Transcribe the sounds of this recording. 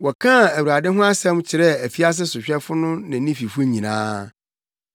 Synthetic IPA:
wɔ˨kʰã˦˨æ˨wu˨ɾa˨dɪ̃˦ɦʊ̃˦a˦sɛ̃˦m˦t͡ɕʰɪ˨ɾɛ˦æ˨fi˦a˦s̬ɪ˦sʊ˨ɕᶣɛ˦fʊ˦nʊ̃˦nɪ̃˨˦nĩ˦fi˨fʊ˦ɲĩ˨nã̰ː˦

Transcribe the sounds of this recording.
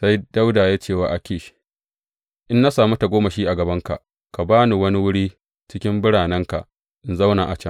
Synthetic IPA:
sa˦jda˦wdaː˨jaː˦t͡ʃeː˦˨waː˨ʔa˨kʲeː˨ʃi̥˦ | ʔɪ˦nːa˦saː˨mu˦ta˨ɡʷoː˦ma˨ʃiː˦ʔa˨ɡɐ˨bɐ˦ŋka̰˨ʔ | ka˨baː˦nu˨wɐ˦ni˦wʊ˦ɽiː˦ | t͡ʃɪ˦kʲɪ˦mbʊ˦ɽaː˨nɛ˦ŋka̰˨ʔ | ʔɪ˨nza˦wna˨ʔa˨t͡ʃɛ˦

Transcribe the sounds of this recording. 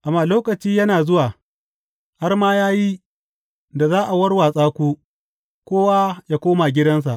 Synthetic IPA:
ʔa˨mːaː˨loː˦kɐ˨t͡ʃiː˦jɐ˦naː˨zʊ˦waː˨ | ha˦rmaː˦jaː˦ji˦ | da˨zaː˦ʔa˨wɐ˦rwaː˨sʼaː˦kʷuː˦ | kʷoː˦wa˦jaː˦kʷoː˦ma˨ɡʲɪ˦dɐ˦ns̬a˨ʔ

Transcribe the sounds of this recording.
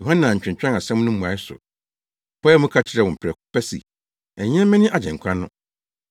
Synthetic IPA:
jo˨hã˦nã˨ɲ̩˨t͡ɕᶣɪ̃˨ɲ˨t͡ɕᶣã˦ŋa˨sɛ̃˦m̃˦nʊ̃˦ũ˨a˨˦ɪ˦sʊ̰˨ | pʰɔ˦ɛ˦mʊ̃˦kʰa˦t͡ɕʰɪ˦ɾɛ˨wʊ̃˨m̩˨pʰɪ˨ɾɛ˨kʊ˦pɛ˦sḭ˨ | ɛ˨ɲ˦ɛ̃˦mɛ̃˦nɪ̃˦ʔa˨d͡ʑɛ̃˨ŋ˨kʷʰã˦nːʊ̃˦

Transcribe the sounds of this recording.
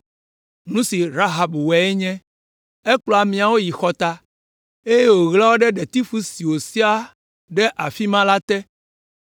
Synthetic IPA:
nũ˦si˨ɾa˦ɦa˨bwɛ˨ɛ˦ɲɛ̃˦ | e˦k͡plɔ˨a˨mĩ˨a˨wo˦ji˨xɔ˨t̪a˦ | e˦je˦wo˨ɣla˦wo˦ɖɛ˦ɖɛ˨t̪i˦fu˦si˨wo˨si˦a˦ | ɖɛ˦ʔa˨fi˦mã˦la˦t̪ɛ˦

